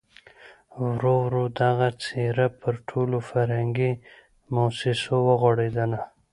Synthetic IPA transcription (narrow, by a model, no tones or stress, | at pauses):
wɾowɾod̪aɣat͡seɾapəɾʈʰolofaɾhaŋɡi | mosɪsowəɣoɽed̪ana